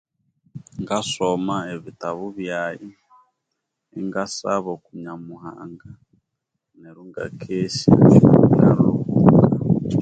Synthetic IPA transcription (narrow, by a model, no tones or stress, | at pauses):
ŋɡasomaeβitaβuβjaji | iŋɡasaβɔkuɲamuha̰ŋɡa | nɛɾuŋɡa̰kʰeʃaβjaɾouka